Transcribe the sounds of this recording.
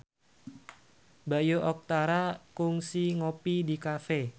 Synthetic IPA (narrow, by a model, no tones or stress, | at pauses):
bajoʔɔk̚t̪aɾakʊŋsiŋɔpid̪i̤kafe